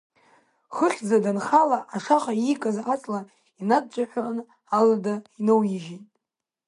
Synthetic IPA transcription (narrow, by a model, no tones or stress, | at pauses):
χəχʲd͡zadanχalaʔaʂaχaikʼazat͡sʼla | inad̚t͡ʃʷʼaħʷᶣan | aladainowjiʒitʼ